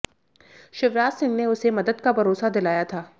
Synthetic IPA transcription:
ʃɪʋɾaːzsɪ̃ŋɡneʊsemɐd̪əd̪kabʱɐɾoːsad̪ɪlaːjat̪ʰaː

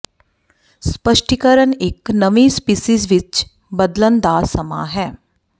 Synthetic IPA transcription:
spəʃʈikəɾənɪknɐʋispiːsiːzʋɪt͡ʃ | bəd̪lənd̪aːsɐma̰ːɦɛː

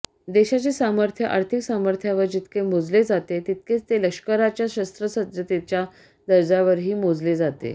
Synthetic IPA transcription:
d̪eɕat͡ɕesaməɾt̪ʰjəʔa̰ɾt̪ʰiksaməɾt̪ʰjaʋəɾd͡ʑit̪kemod͡zled͡zat̪et̪it̪̚ket͡st̪eləkʂkəɾat͡ɕjaɕəst̪ɾəsət̪jət̪et͡ɕja | d̪əɾd͡zaʋəɾɦiːmod͡zled͡zat̪ḛ

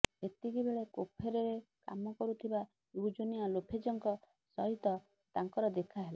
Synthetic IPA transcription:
et̪iɡibeɭekopʰeɾɔɾeka̰mɔkɔɾut̪ʰiba | ud͡ʒonialopʰed͡ʒɔŋkɔ | sɔɦit̪ɔ | t̪aŋkɔɾɔd̪ekʰaɦela

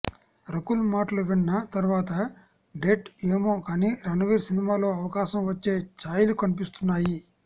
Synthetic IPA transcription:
ɾɐkulmaːʈɐluʋiɳːɐt̪ɐɾuʋaːt̪ɐ | ɖeʈeːmoːkaːniːɾɐɳɐʋiːɾsinimaːlo̞ːɐʋɐkaːʃɐmʋɐt͡ʃːe̞ːt͡ʃaːjlukɐnipist̪unːaːji

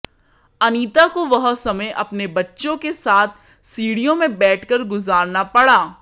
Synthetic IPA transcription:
ɐniːt̪akoʋɐɦsɐməjʔɐpnebɐtːʃõkesaːt̪̚ʰ | siːɽijõmẽbɛːʈʰkɐɾɡʊzaːɾnapɐɽaː

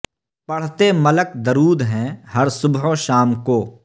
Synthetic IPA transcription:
pɐɽ̤t̪emɐləkd̪ɐɾuːd̪ɦɛ̃ɦɐɾsʊbɦoʃaːmkoː

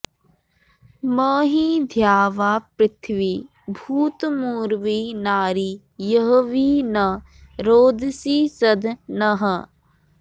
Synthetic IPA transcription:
məːɦiːd̪ʱjaːʋaːpɾɪt̪ʰʋiː | bʱuːt̪muːɾʋiːnaːɾiː | jəɦoʋiːnɐ | ɾoːd̪siːsɐd̪ʱnɐɦə

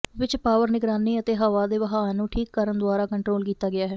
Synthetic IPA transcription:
ʋɪt͡ʃpaːʋəɾnɪɡɾaːniːət̪eːɦaːʋaːd̪eːʋəɦaːnũːʈʰiːkːəɾənd̪ʊaːɾaːkəɳʈɾoːlkiːt̪aːɡɪaːɦɛː

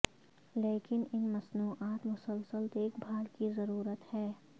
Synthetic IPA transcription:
leːkɪnɪnmɐsnuːʔaːt̪mʊsəlsəlt̪eːkbʱaːlkizɐɾuːɾət̪hɛː

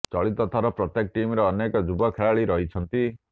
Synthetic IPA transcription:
t͡ʃɔɭit̪ɔt̪ʰaɾɔpɾɔt̪ek̚ʈimɾɔːnekɔd͡ʒubɔkʰeɭaɭiɾɔɦit͡ʃʰɔnt̪i

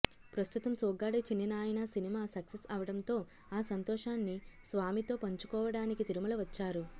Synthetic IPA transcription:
pɾɐst̪ut̪ɐmsɔːɡaːɽɐt͡ʃinːinaːjɐnɐsinimaːsɐksesɐʋɐɽɐnt̪o̞ː | aːsɐnt̪ɔːʂaːnːisʋaːmit̪o̞ːpɐɲt͡ʃu̥kɔːʋɐɽaːnikit̪iɾumɐlɐʋɐt͡ʃːaːɾu

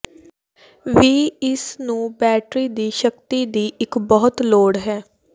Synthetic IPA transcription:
ʋiːɪsnũːbɛːʈɾiːd̪iːʃəkt̪iːd̪iːʔɪkbɔːʊt̪loːɽɦɛː

